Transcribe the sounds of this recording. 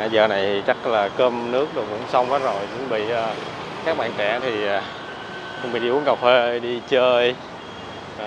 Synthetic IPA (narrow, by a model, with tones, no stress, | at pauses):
aː˧˩zəː˨˩na˨˩jt̪ʰi˨˩t͡ɕa˦˥k̚laː˨˩kəː˧mnɨ˦˥ək̚ɗɨ˨˩kʊ̰˧˥ŋ͡msa˧wŋ͡mʔaː˨˦zo˨˩jkʊ̰˧˥ŋ͡mɓḭ˧˨ʔəː˨˩ | kaː˦˥k̚ɓa̰ː˧˨nt͡ɕɛ˧˩˦t̪ʰi˨˩ʔː | kʊ̰˧˥ŋ͡mɓḭ˧˨ɗi˧ʔu˨˦ənka˨˩wfe˧ʔə˧jɗi˧t͡ɕəː˧j